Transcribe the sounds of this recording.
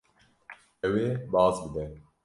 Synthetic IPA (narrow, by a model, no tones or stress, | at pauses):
ʔɛweːbɑːzbɨd̪ɛ